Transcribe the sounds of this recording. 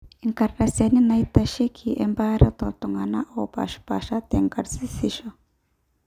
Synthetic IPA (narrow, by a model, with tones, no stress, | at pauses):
iŋka˨ɾːa˨sa˨ni˦na˦i˦t̪aʃi˦kʰiʔɛ̰mba˦ɾe˦t̪o˨t̪ɔ˨ŋa˨na˦ʔo˨ba̰˨ʃpa̰˨ʃa˦t̪ɛŋka˨ɾsi˦siʃo